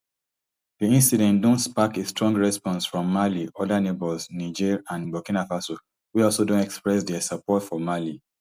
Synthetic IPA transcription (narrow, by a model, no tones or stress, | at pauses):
ðiĩnsidɛ̃ntdõntspakestɹɔ̃ŋɡɹɛspɔ̃nsfɹɔ̃mːaliɔdanebɔlznid͡ʒiɹãnbɔkĩnafaso | wiɔlˠsodõntɛkspɹɛs̬dɛsapɔtfɔmali